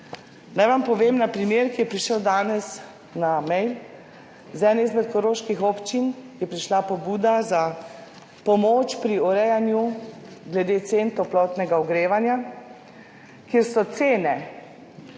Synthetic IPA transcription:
najʋampɔʋeːmnapɾimeːɾkijɛpɾiʃəwd̪aːnɛs | namɛjl | zɛːnizmɛt̪kɔɾoːʃkixɔpt͡ʃinjɛpɾiʃlapɔbuːd̪aza | pɔmoːt͡ʃpɾiɔɾɛjanju | ɡlɛd̪eːt̪seːnt̪ɔplɔt̪nɛɡaɔɡɾeːʋanja | kjeːɾsɔt̪seːnɛ

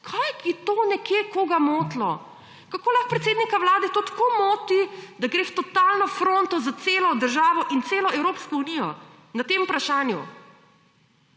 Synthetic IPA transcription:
kʰajkit̪oːnɛkjeːkoːɡamoːt̪lɔ | kakoːlaxpɾɛt̪seːd̪nikawlaːd̪ɛt̪oːt̪koːmoːt̪id̪aɡɾeːwt̪ɔt̪aːlnɔfɾoːnt̪ɔzat̪seːlɔd̪əɾʒaːʋɔʔint̪seːlɔɛwɾoːpskɔunijɔ | nat̪eːmpɾaʃaːnjṵ

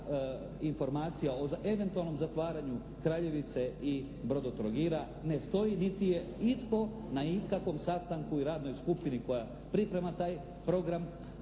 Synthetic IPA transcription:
info̞ɾmaːt̪sijaoze̞ʋe̞nt̪ualno̞mzat̪ʋaːɾaɲu | kɾaːʎe̞ʋit̪se̞i | bɾo̞d̪ot̪ɾoɡiɾa | ne̞st̪o̞jinit̪ijeit̪ko̞naikakʋo̞msast̪aŋkuiɾaːd̪no̞jskupiniko̞ja | pɾipɾe̞mat̪aːj | pɾo̞ɡɾam

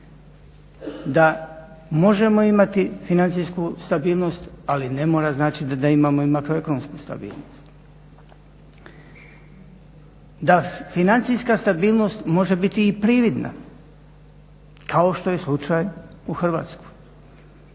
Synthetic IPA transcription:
d̪a | mo̞ʒe̞mo̞imat̪ifinant̪sijskust̪abiːlˠno̞st̪alinemo̞ːɾaznaːt͡ʃid̪ad̪aimaːmoimakɾo̞ekonomskust̪a̰bḭːlˠno̰st̪ | d̪afinant̪sijskast̪abiːlˠno̞st̪mo̞ʒe̞bit̪iːpɾiʋid̪na̰ | kʰao̞ʃt̪o̞jeslˠut͡ʃaːj | uxr̩ʋa̰ːt̪sku̥

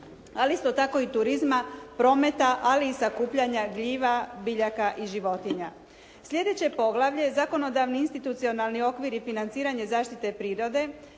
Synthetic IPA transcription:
aliist̪o̞t̪ako̞it̪uɾizmapɾo̞ːme̞t̪aʔaliːsakuːpʎaɲaɡʎiːʋabiʎakaʔiʒiʋo̞t̪iɲa | sʎʲe̞d̪e̞t͡ɕe̞po̞ɡlaʋʎe̞zako̞no̞d̪aʋniinst̪it̪ut̪sio̞nalnio̞kʋiɾifinant̪siːɾaɲe̞zaːʃt̪it̪e̞pɾiːɾo̞d̪e̞

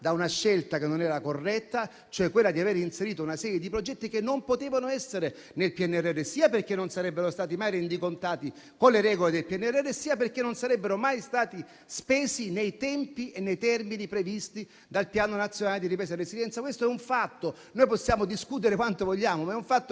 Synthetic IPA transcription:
d̪aunaʃːelt̪akenːonɛːɾakorːɛt̪ːa | t͡ʃoɛkːwelːad̪iaveːɾinseɾiːt̪ounasɛːɾjed̪ipɾod͡ʒɛt̪ːikenːompot̪eːvanoɛsːeɾe | nelpjɛnːɛrːɛrːesiːaperk̟enːonsaɾɛbːeɾost̪aːt̪imajɾend̪ikont̪aːt̪i | konleɾɛːɡoled̪elpjɛnːɛrːɛrːesiːaperkenːonsaɾɛbːeɾomajst̪aːt̪i | speːsinejt̪ɛmpienːejt̪ɛrminipɾevist̪i | d̪alpjaːnonat̪sːjonaːled̪iɾipɾɛːs̬aɾesid̪jɛnt̪sakwest̪oɛuɱfat̪ːo | noːjposːjaːmod̪iskut̪̬eɾekwant̪ovoʎːaːmomaɛuɱfat̪ːo

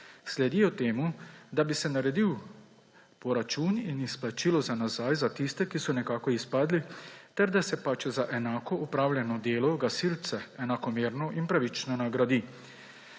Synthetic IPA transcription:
slɛd̪iɔt̪eːmud̪abisɛnaɾɛd̪iw | pɔɾat͡ʃuːninisplat͡ʃilɔzanazaːjzat̪ist̪ɛkisɔnɛkaːkɔispaːd̪lit̪ɛɾd̪asɛpat͡ʃzaʔɛnaːkɔupɾaːwlʲjɛnɔd̪eːlɔɡasilt̪sɛɛnakɔmeːɾnɔʔinpɾaʋit͡ʃnɔnaɡɾad̪i

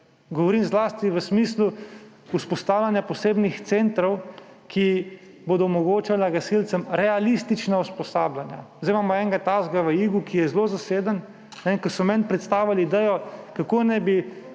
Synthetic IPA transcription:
ɡɔʋɔɾiːmzlaːst̪iʋəsmislu | uspɔst̪aːwlʲanjapɔseːbnixt̪sent̪ɾɔw | kʰi | boːd̪ɔmɔɡoːt͡ʃalaɡasilt̪səmɾɛalist̪it͡ʃnauspɔsaːblanja̰zd̪eɪjmaːmɔɛŋɡat̪aːzɡaʋəiɡukijɛzlozaseːd̪ən | nɛkɔsɔmɛnpɾɛt̪st̪aːwʋaliːd̪ɛjɔkakonɛjbi

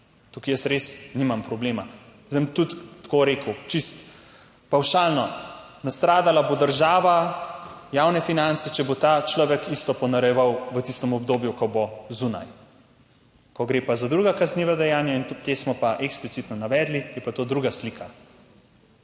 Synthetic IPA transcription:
t̪ukijəsɾesnimampɾɔbleːma | zəmt̪ut̪t̪ːkoɾeːkut͡ʃist̪ | pawʃaːlnɔnast̪ɾaːd̪alabod̪əɾʒaːʋa | jawnɛfinant̪sɛt͡ʃɛbot̪at͡ʃlɔːʋɛkʰist̪ɔpɔnaɾɛjɛʋawʋət̪ist̪əmɔbd̪oːbjukɔbozuna̰j | kɔɡɾeːpazad̪ɾuɡakazniːʋad̪ɛjaːnjaint̪esmɔpaʔɛksplit̪sit̪nɔnaʋɛːd̪lijɛpat̪oːd̪ɾuɡaslikʰa

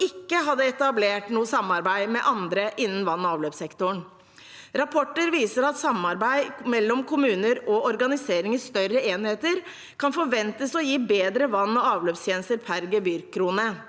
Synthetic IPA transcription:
ɪkːəɦɑd̪ːəɛt̪ɑbleːʈnuːəsɑmɑɾbæɪmɛʔɑnd̪ɾəʔɪnːənʋɑnːɔɑːʋløːpsɛkt̪ʊɳ | ɾɑpʰɔʈːəɾʋiːsəɾɑt̪sɑmːɑɾbæɪmɛlːɔmkʰʊmʉːnəɾɔɔɾɡɑnɪseːɾɪŋəst̪œrːəeːnheːt̪əɾ | kʰɑnfɔɾʋɛnt̪əsɔjiːbeːd̪ɾəʋɑnːɔɑːʋløːpst̪ʰjɛːnəst̪əɾpʰæɾɡəbʏɾkʰːɾuːnə

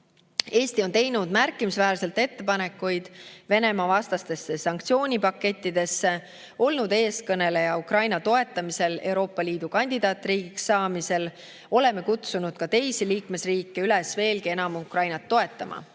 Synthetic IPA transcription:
e̞ːst̪io̞nt̪e̞jnud̪̥mærkːˑimisvæːɾse̞lt̪e̞t̪ːe̞pɑne̞kːˑujd̪̥ve̞ne̞mɑvɑst̪ɑst̪e̞sːesɑŋk̚t̪sio̞ːnʲipɑkːe̞t̪ʲˑːid̪e̞sːe̞ | o̞lnud̪e̞ːskɤne̞lejɑukrɑjnɑt̪o̞e̞t̪ːˑɑmise̞le̞wɾo̞ːpːˑɑliːd̪̥ukɑnʲd̪̥ʲid̪̥ɑːt̪riːɡ̥iksːɑːmise̞l | o̞le̞mːe̞kut̪sunud̪̥̚kɑt̪e̞jsiliːkme̞sriːkˑːe̞ylesve̞ːlkie̞nɑmukrɑjnɑt̪ːo̞e̞t̪ːˑɑmʔɑ̰

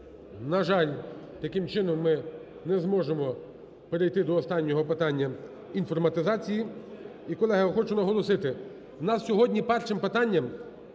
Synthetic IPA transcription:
nɐʒɑlʲt̪ɐkɪmt͡ʃɪnɔmːɪ | nɛzmɔʒemɔ | peɾejt̪ɪd̪ɔːst̪ɑnʲːɔɦɔpɪt̪ɑnʲːɐ | infɔrmɐt̪ɪzɑt͡sʲiji | ikɔlˠɛɦɐxɔt͡ʃʊnɐɦɔlˠɔsɪt̪ɪ | nɑssʲɔɦɔdʲnʲipɛrʃɪmpɪt̪ɑnʲːɐm

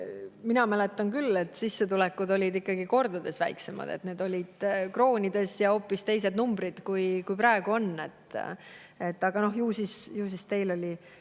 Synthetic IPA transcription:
minɑmæle̞t̪ːˑɑnkylːe̞t̪sisːe̞t̪ulɛkːud̪o̞lʲid̪ikːɑɡ̥iko̞rd̪̥ɑd̪e̞svæ̰jkse̞mɑ̰d̪e̞̰t̪ne̞ːd̪̥o̞lʲid̪̥kro̞ːnʲid̪̥e̞sjɑo̞ːpːist̪e̞js̬e̞d̪numbɾid̪̥kujkujpɾɑeɡ̥uo̞nːe̞t̪ːˑ | et̪ːˑɑɡ̥ɑno̞hjuːsisjuːs̬ist̪e̞jlo̞lʲi

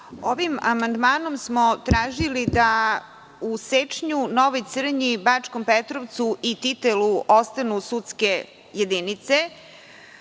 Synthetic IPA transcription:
oʋima̰mand̪maːno̞msmot̪ɾaːʒilid̪a | uset͡ʂɲunoʋojt̪sr̩ɲibat͡ʂkompet̪ɾoʋt̪suʔit̪it̪eluost̪anusut̪ske̞ | jed̪init̪se

